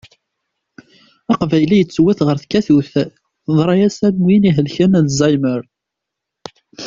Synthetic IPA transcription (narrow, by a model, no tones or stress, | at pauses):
ɑqvæjlijət͡sːwæθʁəɾθkːæθuθ | ðˤɾˤɑjæsænmwiniɦəlçænænzˤɑjməɾ